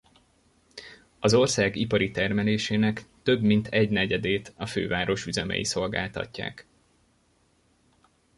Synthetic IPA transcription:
ɒzo̞rsaːɡipɒɾit̪ɛrmɛleːʃeːnɛkt̪ø̞bmint̪ʰɛɟnɛɟɛd̪eːt̪ɒfø̰ːvaːɾo̞ʃyzɛmɛ̰jḭso̞lɡa̰ːlt̪ɒ̰cːa̰ːk

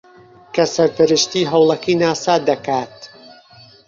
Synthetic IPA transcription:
kʰɐsɐɾpɨɾɨʃt̪iːɦɐwlˠɐkiːnaːsaːd̪ɐkaːt̪

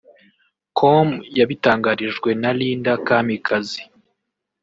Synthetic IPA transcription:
kʰomjaβitaːŋɡaɾiʒɡwe̞naliːndakaːmikʰazi

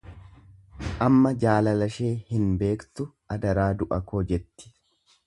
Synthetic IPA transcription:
ʔɐmːɐd͡ʒaːlɐlɐʃe̞ːhɪnbe̞ːkt̪ʊʔɐd̪ɐɾaːd̪ʊʔɐkoːd͡ʒɛt̪ːɪ̥

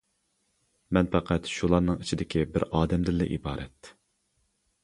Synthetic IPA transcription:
mɛnfɛqʰæt̪ʃulˠɑɾnɨŋit͡ʃʰid̪ɪkʲʰibɪɾɑːd̪ɛmd̪ɪlːɛ̰ʔḭbɑːɾʔɛ̰t̪

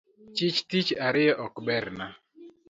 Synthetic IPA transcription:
t͡ʃɪt͡ʃtit͡ʃaɾɪjɛʔɔkbɛɾna

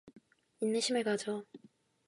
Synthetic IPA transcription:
inːɯɕʰimɯɭkad͡ʑo

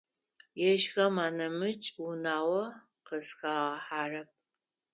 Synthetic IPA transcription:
jɛʒɣɐmaːnɐmɨt͡ʃʼwʊnaːwɐ | qəsxaːʁɐħaːrɐp̚

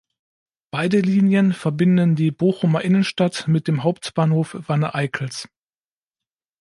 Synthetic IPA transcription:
b̥aɪdəliːnjənfɛɐbɪndəndiːboːxʊmɐʔɪnənʃtatmɪt̚d̥eːmɦaʊptb̥aːnhoːfv̥anəʔaɪkʰl̩s

